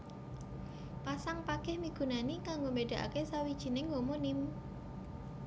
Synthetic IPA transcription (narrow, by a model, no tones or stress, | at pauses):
pasaŋpaɡ̥ɛhmiɡ̥ṳnanikaŋɡombeɖ̥ä̤ʔa̰kesawid̥ʒ̥i̤nɪŋɦomonɪm